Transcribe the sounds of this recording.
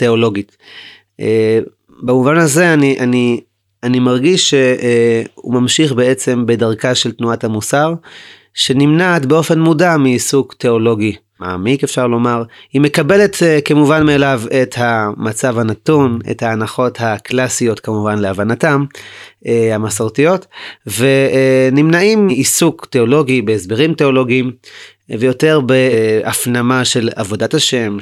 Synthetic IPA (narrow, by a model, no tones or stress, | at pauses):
teo̞lo̞ɡit | ʔe | bamuvanaze̞aniʔani | animaʁɡiʃːe | ṵmamʃiχbe̞e̞t͡se̞mbe̞daʁkaʃe̞ltnuathamusaʁ | ʃe̞nimnaːtbeo̞fe̞nmudamiːsukteo̞lo̞ɡi | ma̰ːmikefʃaʁlo̞maʁhime̞kabe̞le̞tkemuvanmeːlave̞thamat͡savhanatunḛthaːnaχo̞thaklasijo̞tkamuvanleavanatam | hamasaʁtijo̞tve̞nimnaimiisukteolo̞ɡibeesbe̞ʁimteo̞lo̞ɡiːm | vejo̞te̞ʁbeafnamaʃe̞la̰vo̞dataʃe̞m